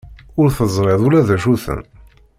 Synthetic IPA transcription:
ʊɾθəzˤɾˤeðˤulæðæʃuθə̰n

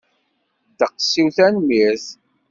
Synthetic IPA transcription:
d̪əqsːiwθænmiɾθ

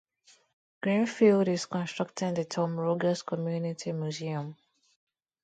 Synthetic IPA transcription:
ɡ̥ɹĩnfilˠdɪskɔ̃nstɹ̥ak̚tʰɪ̃ŋðətʰɔ̃mɹoɡəskʰɔmjunitʰimjuziə̃m

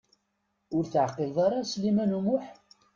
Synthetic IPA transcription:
ʊɾθʕəqːɪlðˤɑɾˤɑslimænumʊħ

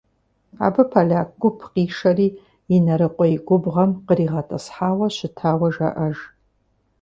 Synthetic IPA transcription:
a̰ːbɨpʰaɮʲaːkɡʷʊpʰqiːʂɐriː | inɐɾɨqʷʼɔiɡʷʊbʁɐmqəɾiːʁɐtʰʼɐsħaːwɐɕɪtʰaːwɐʒɐ̰ʔɐʒ

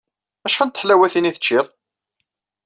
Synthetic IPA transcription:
æʃħænt̪ə̥ħlæwæθiniθə̥t͡ʃːɪðˤ

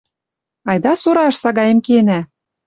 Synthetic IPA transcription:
ɑjd̪ɑsuɾɑʃsɑɡɑjĕmkenæ

